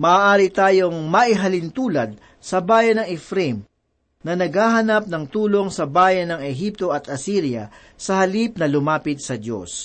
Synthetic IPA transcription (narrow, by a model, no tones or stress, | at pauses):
mɐaːʔaːɾit̪aːjo̞ŋmɐʔiɦɐlɪnt̪uːlɐd̪̚ | sɐbaːjɐnɐŋɛfɾɛm | nɐnɐɡhaːɦɐnap̚nɐŋt̪uːlo̞ŋsɐbaːjɐnːɐŋɛɦip̚t̪o̞ɐt̪ɐsiːɾjɐ̰ | sɐhɐlip̚nɐlʊmaːpɪd̪̚sɐd̪jo̰s